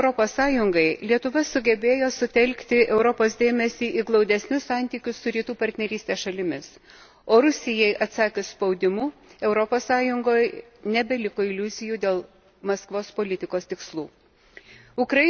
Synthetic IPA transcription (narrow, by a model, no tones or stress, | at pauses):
ʊɾɔpoːssɑːjʊŋɡɐɪlʲiɛt̪ʊʋɐsʊɡʲɛbʲeːjoːsʊt̪ʲɛlʲkt̪ʲɪʔɛʊɾɔpoːs̬d̪ʲeːmʲɛsʲiːʔiːɡlˠɒʊd̪ʲɛsʲnʲʊssɑnʲt̪ʲiːkʲʊssʊɾʲiːt̪uːpɐɾʲt̪ʲnʲɛɾʲiːst̪ʲeːsʃɐlʲɪmʲɪs | oːɾʊsʲɪjɛɪʔɐt̪sɑːkʲeːspɒʊd̪ʲɪmuːɛʊɾɔpoːssɑːjʊŋɡoːj | nʲɛbʲɛlʲɪkoːɪlʲʊzʲɪjuːd̪ʲeːlˠ | mɐskʋoːspoːlʲɪt̪ʲɪkoːst̪ʲɪkslˠuː | ʊkɾɐ